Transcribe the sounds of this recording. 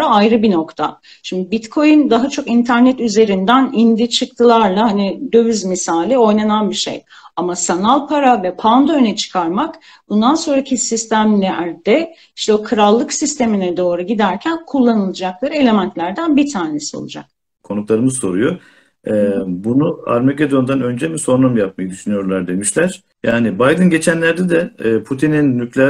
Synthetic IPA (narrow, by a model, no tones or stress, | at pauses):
aajɾɯbino̞kt̪ʰa̰ | ʃimd̪ibit̪kʰo̞jynd̪aɦat͡ʃʰo̞kint̪ʰæɾnɛt̪yze̞ɾind̪ænind̪it͡ʃʰɯk̚t̪ʰɯlˠaɾlˠahanid̪ø̞vyzmisaːlʲio̞jnananbiʃḛj | amasanalʲˠpʰaɾavɛpʰand̪ønɛt͡ʃʰɯ̥kʰaɾmak | bund̪anso̞nɾacʰisist̪ʰæmlʲɛɾd̪ɛ | i̥ʃt̪ɛokʰɯɾalˠːɯksist̪ʰe̞minɛd̪o̞ːɾuɟid̪æɾcʰænkʰulˠːanɯlˠad͡ʒaklˠaɾɯe̞lʲe̞mænt̪lʲæɾd̪ænbit̪ʰaːne̞sio̰lˠud͡ʒa̰k̚ | kʰo̞nuklˠaɾɯmɯzso̞ɾujo | ɛbunua̰ɾmeced̪o̞nd̪anø̞nd͡ʒɛmiso̞ɾnamjap̚majɯd̪yʃynyjo̞ɾlˠaɾd̪e̞miʃlʲæɾ̥ | jaːnibajd̪ɯnɟe̞t͡ʃʰænlʲæɾd̪ɛd̪ɛːpʰut̪ʰininːyclʲɛ